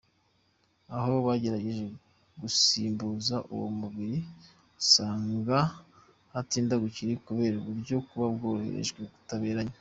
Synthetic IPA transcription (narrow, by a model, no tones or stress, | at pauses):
aho̞βaɟe̞ɾaɟe̞ʒe̞ | ɡusiːmbuːzaʔṵwo̰muβiɾi | saːŋɡa | hatiːndaɡuciɾikuβe̞ɾoβuɾɟo̞kuβab̚ɡo̞ːhe̞̰ɾḛʒɡwe̞ɡu̥taβe̞ːɾaɲa